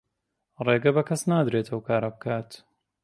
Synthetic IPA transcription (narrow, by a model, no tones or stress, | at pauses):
reːɡɐbɐkʰɐsnaːd̪ɾeːt̪ʰɐwkʰaːɾɐbɨkʰaːt̪